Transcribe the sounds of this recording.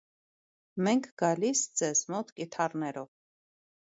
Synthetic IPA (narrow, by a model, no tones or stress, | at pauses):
mɛŋkʰɡɑlisd͡zɛzmɔt̪kit̪ʰɑrnɛɾɔv